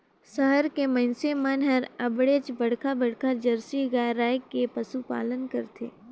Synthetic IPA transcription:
səɦəɾkemɐ̃nsemanɦəɾɐbɽet͡ʃbɐɽkʰabɐɽkad͡ʒɐɾsiɡaɾaːjkepɐsupa̰ːlənkɐɾt̪ʰḛː

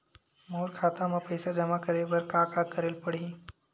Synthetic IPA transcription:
moɾkʰat̪aməpəjsad͡ʒəmakəɾeʋəɾkakakəɾeːlpəɽ̤i

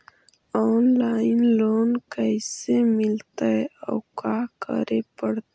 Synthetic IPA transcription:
onlaːinloːnkəjsemilt̪aja̰wkakə̰ɾepəɽt̪

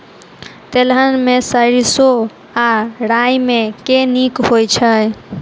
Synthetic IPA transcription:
t̪elɦənmesəɾiso | aɽajmekenikhojt͡ʃʰəj

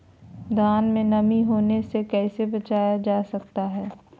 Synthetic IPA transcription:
d̪ʱaːnmẽnɐmiɦoːnesekɛːsebɐt͡ʃaːjad͡ʒaːsɐk̚t̪aɦɛː

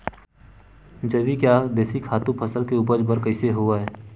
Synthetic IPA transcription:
d͡ʒəbikjad̪eːsikʰaːt̪ũpʰəsəlkeuːp̬əd͡ʒbəɾkəɪseɦoaɦɛː

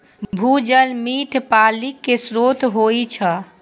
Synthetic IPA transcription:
bʱud͡ʒəlmiʈʰpalikːesɾot̪ɦojt͡ʃʰə

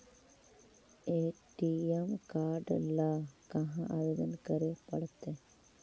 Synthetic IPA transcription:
eːʈiemkaːɾɖlɐkɐɦãʔaʋed̪ɐnkɐɾepɐɽt̪ːe

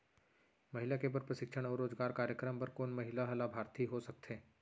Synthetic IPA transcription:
mɐɦɪlakebəɾpɾɐʃɪkʃəɽ̃ɔːɾoːzɡaːɾkaːɾjəkɾəmpɐɾkoːnmɐɦɪlaɦɐlabʱaːɾt̪ʰiɦosɐk̚t̪ʰeː

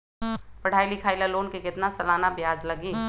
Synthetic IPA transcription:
pəɽ̤aːilɪkʰaːɪlaloːnkekɪt̪nasɐlaːnabjaːd͡ʒləɡiː

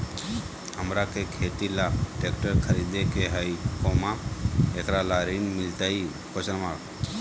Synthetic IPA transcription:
həmɾakekʰeːt̪ilaːkʈeːkʈəɾkʰəɾid̪ekeɦəjkomaeːkɾalaːɾinmɪlt̪ai | kʰosənmaɽ

